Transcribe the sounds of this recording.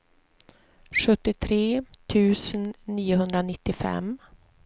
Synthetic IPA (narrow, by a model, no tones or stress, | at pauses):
ɧɵt̪ːɪt̪ʰɾeːt̪ʰʉ̟ːsənːiːʊɦɵnd̪ɾanɪt̪ːɪfɛ̰m